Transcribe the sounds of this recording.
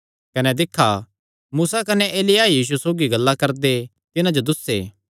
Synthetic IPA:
kɐnɛd̪ɪkʰːa | muːsakɐnɛʔeːlɪjajiːʃ̬usoːɡiɡɐlːakɐɾd̪e | t̪ɪnãd͡ʒod̪ʊsːḛː

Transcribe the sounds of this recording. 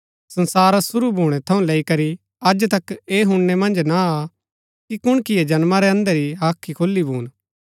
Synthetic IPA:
sɐ̃nsaːɾasʊɾubʱuːɽ̃ɛt̪ʰɐũleːikɐɾi | ɐd͡ʒt̪ɐkeːɦʊ̃ɳːemɐ̃nd͡ʒnaa | kikʊɽ̃kɪjed͡ʒɐnmaɾɛɐ̃nd̪əɾiɦaːkʰːikʰoːlːibʱuːn

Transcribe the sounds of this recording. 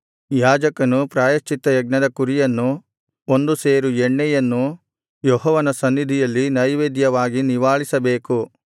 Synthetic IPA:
jaːd͡ʒɐkɐnupɾaːjɐt͡ʃit̪ːɐjɐɡnɐd̪ɐkuɾijɐnːu | o̞nd̪useːɾuɛɳːɛjɐnːu | jɔɦɔːʋɐnɐsɐnːid̪ʱijɐlːinɐjʋeːd̪jɐʋaːɡiniʋaːɭisɐbeːku

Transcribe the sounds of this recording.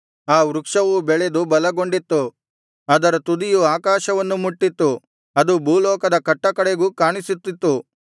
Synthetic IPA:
aːʋɾukʂɐʋubɛɭed̪ubɐlɐɡo̞ɳɖit̪ːu | ɐd̪ɐɾɐt̪ud̪ijuaːkaːʃɐʋɐnːumuʈːit̪ːu | ɐd̪ubʱuːlɔːkɐd̪ɐkɐʈːɐkɐɽeɡuːkaːɳisit̪ːit̪ːu

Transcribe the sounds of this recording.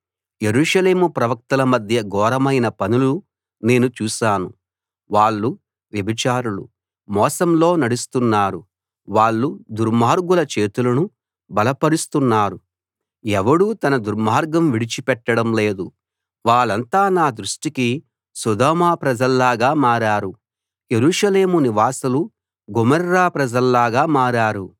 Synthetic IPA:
je̞ɾuːʂɐle̞ːmupɾɐʋɐk̚t̪ɐlɐmɐd̪ʱjɐɡɔːɾɐmɐjnɐpɐnulu | ne̞ːnut͡ʃuːʃaːnu | ʋaːɭːu | ʋjɐbʱit͡ʃaːɾulṵ | mɔːsɐmlo̞ːnɐɽust̪unːaːɾu | ʋaːɭːud̪uɾmaːɾɡulɐt͡ʃe̞ːt̪ulɐnu | bɐlɐpɐɾist̪unːaːɾu | ɛʋɐɽuːt̪ɐnɐd̪uɾmaːɾɡɐmʋiɽit͡ʃipɛʈːɐɽɐmle̞ːd̪u | ʋaːɭːɐnt̪aːnaːd̪ɾuʂʈiki | sud̪ɔːmaːpɾɐd͡ʒɐlːaːɡaːmaːɾaːɾu | je̞ɾuːʂɐle̞ːmuniʋaːsɐlu | ɡumɐɾːaːpɾɐd͡ʒɐlːaːɡaːmaːɾaːɾu

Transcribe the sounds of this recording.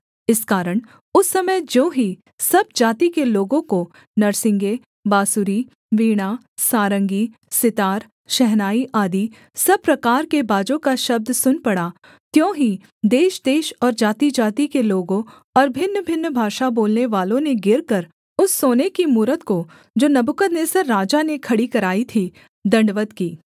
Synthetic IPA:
ɪskaːɾəɽ̃ | ʊsːɐməd͡ʒõːɦi | sɐb̚d͡ʒaːt̪ikeloːɡõko | nɐɾsɪ̃ŋɡe | baːsuɾi | ʋiːɽ̃a | saːɾə̃ŋɡi | sɪt̪aːɾ | ʃɛɦnaːiʔaːd̪i | sɐb̚pɾɐkaːɾkebaːd͡ʒõkaʃɐb̚d̪ʱsʊnpɐɽa | t̪jõːɦi | d̪eːʃd̪eːʃɔːɾd͡ʒaːt̪id͡ʒaːt̪ikeloːɡõ | ɔːɾbʱɪnːbʱɪnːbʱaːʃaboːlneʋaːlõneɡɪɾkɐɾ | ʊsːoːnekimuːɾət̪ko | d͡ʒoːnɐbʊkət̪neːsəɾːaːd͡ʒanekʰɐɽikɐɾaːit̪ʰi | d̪ɐ̃ɳɖʋət̪kiː

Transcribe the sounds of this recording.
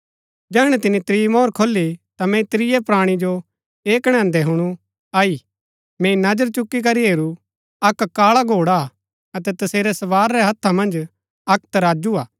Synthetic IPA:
d͡ʒɛːɽ̃ɛt̪ɪnit̪ɾimɔːɾkʰoːlːit̪amɛ̃it̪ɾɪjɛpɾaːɽ̃id͡ʒo | eːkɽ̃ɛ̃ːnd̪ɛɦʊɽ̃u | aːi | mɛ̃ːinɐd͡ʒəɾt͡ʃʊkːik̬ɐɾiɦeːɾu | ɐkkːaːɭaɡʱoːɽa | ɐt̪̬ɛt̪ɐseːɾɛsɐʋaːɾːɛɦɐt̪ʰːamɐ̃nd͡ʒ | ɐk̚t̪ɐɾaːd͡ʒuaː

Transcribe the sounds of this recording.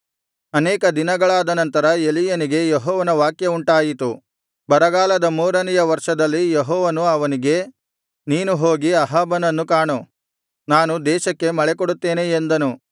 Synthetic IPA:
ɐnɛːkɐd̪inɐɡɐɭaːd̪ɐnɐnt̪ɐɾɐelijɐniɡe̞jeɦɔːʋɐnɐʋaːkjɐuɳʈaːjit̪u | bɐɾɐɡaːlɐd̪ɐmuːɾɐnijɐʋɐɾʂɐd̪ɐlːijeɦɔːʋɐnuɐʋɐniɡe̞ | niːnuɦoːɡiɐɦaːbɐnɐnːukaːɳu | naːnud̪ɛːʃɐkːe̞mɐɭekoɽut̪ːe̞ːneːnd̪ɐnu

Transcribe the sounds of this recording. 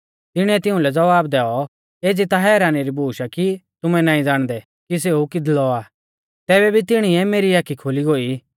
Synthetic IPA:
t̪ɪɽ̃iɛt̪ɪ̃ʊ̃lɛd͡zɐʋaːbd̪ɛːɔ | eːd͡zit̪aɦɛːɾaːniɾibuːʃakit̪ʊmɛnãːĩd͡zaːɽ̃d̪ɛ | kis̬eːukɪd̪lɔaː | t̪ɛːβɛbʱit̪ɪɽ̃iɛmeːɾiaːkʰikʰoːliɡoːiː

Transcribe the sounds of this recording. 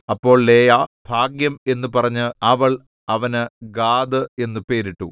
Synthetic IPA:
ɐpːo̞ːɭle̞ːjab̥ʱaːɡjɐme̞nːɨpɐrɐɲːɨɐʋɐɭ | ɐʋɐnɨɡaːd̪ɨe̞nːɨpe̞ːɾiʈːu

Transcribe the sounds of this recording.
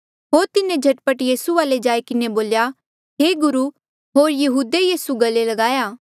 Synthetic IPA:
ɦoːɾt̪ɪnẽd͡ʒʱɐʈpəʈjiːsuaːled͡ʒaːikɪneboːlja | ɦeːɡʊɾu | ɦoːɾjɐɦuːd̪ejiːsuɡɐlelɐɡaːjaː

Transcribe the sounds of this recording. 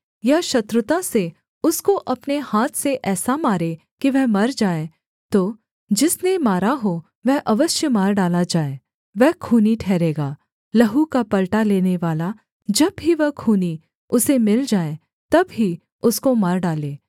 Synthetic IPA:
jɐʃɐt̪ɾʊt̪ase | ʊskoʔɐpnehaːt̪ʰseʔɛːsamaːɾe | kiʋɛɦmɐɾd͡ʒaːe | t̪oː | d͡ʒɪsnemaːɾaɦo | ʋɛɦʔɐʋəʃjəmaːɾɖaːlad͡ʒaːeː | ʋɛɦkʰuːniʈʰɛːɾeːɡaː | lɐɦukapɐlʈaleːneʋaːla | d͡ʒɐbɦiʋɐɦkʰuːni | ʊsemɪld͡ʒaːe | t̪ɐbɦi | ʊskomɐɾɖaːleː

